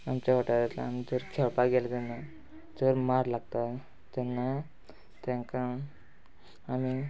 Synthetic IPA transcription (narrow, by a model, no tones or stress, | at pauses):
amt͡ɕaʋaʈaɾat̪la̰ːmid͡zəɾkʰɛlpaɡɛlat̪ɛnːa | d͡zəɾmaɾlaɡ̚t̪a | t̪ɛnːa | t̪ɛ̃ŋkã | ami